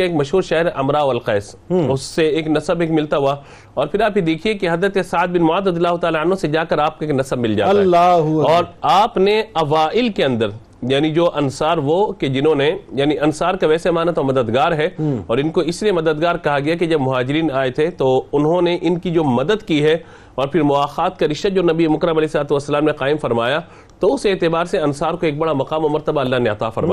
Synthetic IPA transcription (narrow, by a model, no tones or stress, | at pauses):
kaeːkmɐʃɦuːɾʃaːɦɪɾɦɛʔɐmɾaɐlqɛːsʊsːeeːknɐsəbeːkmɪlt̪aɦuaː | ɔːɾpʰɪɾaːpjid̪eːkʰiekeɦɐzɾət̪esaːd̪̚bɪnmʊaːd̪ɾɐd̪ijəlːaːɦʊt̪aːlaɐnɦõsed͡ʒaːkɐɾaːp̚koeːknɐsəbmɪld͡ʒa̰ː | ɔːɾaːpneɐʋaːʔɪlkeɐ̃nd̪əɾ | jaːnid͡ʒoːʔɐnsaːɾʋoked͡ʒɪnɦõnejaːniɐnsaːɾkaʋɛːsemaːnat̪omɐd̪əd̪ɡaːɾɦɛɔːɾɪ̃nkoɪsliemɐd̪əd̪ɡaːɾkɐɦaɡɐjaked͡ʒɐbmʊɦaːd͡ʒɪɾiːnaːet̪ʰet̪oʊnɦõneʔɪnkid͡ʒoːmɐd̪əd̪kiɦɛ | ɔːɾpʰɪɾmʊaːxaːt̪̚kaɾɪʃt̪ad͡ʒoːnɐbiemʊkɾəmɐlɛːɪsɐlaːt̪uʋɐsːɐlaːmnẽqaːɪmfɐɾmaːja | t̪oʊseːt̪ɪbaːɾseɐnsaːɾkoeːk̚bɐɽamɐqaːmomɐɾt̪ɐbaːlːaːɦneɐt̪aːfɐɾmaː